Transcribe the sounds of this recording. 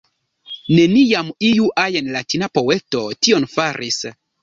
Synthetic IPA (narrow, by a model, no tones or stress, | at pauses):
ne̞nijamijuʔajenlatinapo̞we̞to̞tio̞nfaɾʔis